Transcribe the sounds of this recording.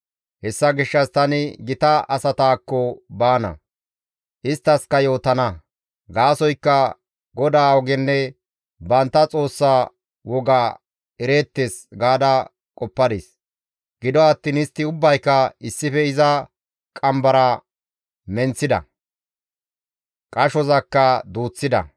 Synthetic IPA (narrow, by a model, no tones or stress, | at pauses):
hɛsːɐɡɪʃːɐst̪ɐnɪɡɪt̪ɐʔɐsɐt̪aːkːɔbaːnɐ̰ | ʔɪst̪ːɐskɐjo̞ːt̪ɐnɐ | ɡaːsɔjkːɐ | ɡɔd̪aːɔɡɛnːɛ | bɐnt̪ːɐt͡sʼo̞ːsːaː | wɔɡaː | ɛɾe̞ːt̪ːeːsɡaːd̪ɐ | kʼɔpːɐd̪ḛːs | ɡɪd̪ɔɐt̪ːiːnɪst̪ːɪʊbːɐjkːɐɪsːɪfɛɪzɐ | kʼɐmbɐɾɐ | mɛnt͡sːɪd̪ɐ̰ | kʼɐʃɔzɐkːɐd̪uːt͡sːɪd̪ɐ̰